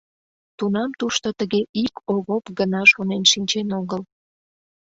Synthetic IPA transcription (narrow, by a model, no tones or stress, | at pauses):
t̪unɑmt̪uʃt̪ot̪əɣeʔikoɣopɡənɑʃonenʃinʲt͡ɕenoɣəl